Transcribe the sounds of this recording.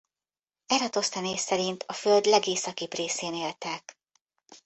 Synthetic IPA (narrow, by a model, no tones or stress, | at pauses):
ɛɾɒt̪o̞st̪ɛneːssɛɾint̪ʰɒføld̪lɛɡeːsɒkipreːseːneːlt̪ɛk